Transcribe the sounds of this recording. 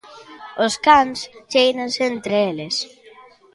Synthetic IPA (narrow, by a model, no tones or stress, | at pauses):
oskanst͡ʃejnansent̪ɾeeles